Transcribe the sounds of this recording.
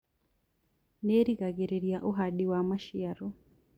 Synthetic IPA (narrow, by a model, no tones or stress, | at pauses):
neɾiɡaɡeɾeɾijaʔoɦaɗiwamaʃiaɾo